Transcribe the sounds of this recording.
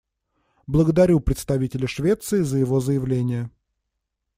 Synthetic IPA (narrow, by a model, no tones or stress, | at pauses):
blˠəɡəd̪ɐɾʲupɾʲɪt̪st̪ɐvʲitʲɪlʲəʂvʲe̞t̪sɨɪzəjɪvo̞zəjɪvlʲenʲɪjə